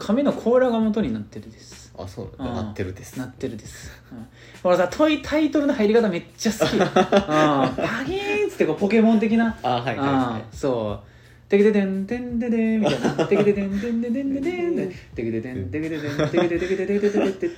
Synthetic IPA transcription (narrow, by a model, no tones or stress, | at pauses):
kʰamenokʰo̞ːɾaɡamo̞t̪o̞ɲ̟inat̪ːe̞ɾɯ̟d̪e̞sɨ̥a̰so̰ːɯ̃na̰ːeɾɯ̟d̪snat̪ːe̞ɾɯ̟d̪e̞sɨ̥ | ɯ̃ | hoɾasat̪ʰo̞it̪ʰait̪o̞ɾɯ̟nohajiɾʲikat̪ame̞t͡ɕːasɨkʲiɯ̃aɡʲitt͡sɨ̥t̪ːeko̞ːpo̞ke̞mõ̞nt̪̬e̞kʲinaaɦaiɯ̃so̞ː | t̪ekʲid̪et̪ẽnd̪ẽnd̪ed̪emiainat̪eit̪et̪ẽnẽnd̪ed̪ẽnd̪ed̪ed̪et̪ekʲit̪et̪ẽd̪ekit̪et̪ed̪eit̪et̪ekit̪eeit̪et̪eet̪ːe